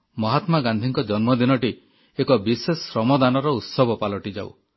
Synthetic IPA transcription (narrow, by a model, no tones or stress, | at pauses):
mɔɦat̪maɡãnd̪ʱiŋkɔd͡ʒɔnmɔd̪inɔʈi | ekɔbisesɾɔmɔd̪anɔɾɔut̪sɔbʱɔpalɔʈid͡ʒaw̰